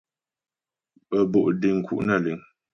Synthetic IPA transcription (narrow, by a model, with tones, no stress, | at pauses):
ə˨bo˨ʔdi˨ŋ̩˨kʰṵ˨ʔna˦˨li˨ŋ